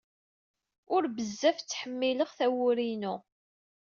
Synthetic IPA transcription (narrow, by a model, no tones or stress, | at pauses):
ʊɾbəzːæft͡sːħəmːiləʁθæwʊɾinu